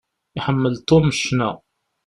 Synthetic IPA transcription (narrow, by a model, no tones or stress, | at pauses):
iħəmːəlt̪umʃnæ